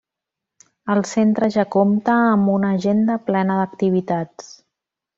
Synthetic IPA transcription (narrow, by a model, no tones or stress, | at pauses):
əlˠsent̪ɾəʒakomt̪əːmbunəʒend̪əplɛnəðəkt̪iβ̞it̪at͡s